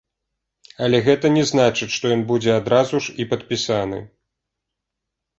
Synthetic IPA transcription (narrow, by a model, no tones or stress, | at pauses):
ɐlʲɛɣɛt̪ɐnʲɛznat͡ʂɨt͡sʲʂt̪ɔjɔnbud͡zʲɛad̪ɾazuʂipɐt̪̚pʲisanɨ̰